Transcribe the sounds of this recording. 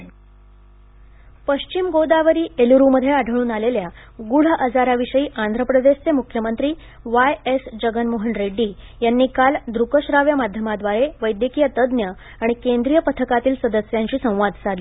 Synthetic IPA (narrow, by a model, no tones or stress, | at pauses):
pəɕt͡ɕimɡod̪aʋəɾiːeluɾuməd̪ʱjeaɖʱəɭuːnalelja | ɡuɽ̤əʔəd͡zaɾaʋiɕəiːʔand̪ʱɾəpɾəd̪eɕt͡semukʰjəmənt̪ɾiː | ʋajesd͡ʑəɡənmoɦənɾeɖːiːjanːiːkald̪ɾukəɕɾaʋjəmad̪ʱjəmad̪ʋaɾeʋəjd̪jəkijət̪əd̪njə | aɽ̃ikend̪ɾijəpət̪ʰəkat̪iːlsəd̪əsjaɲt͡ɕiːsə̃w̃ʋad̪ʱt͡sad̪li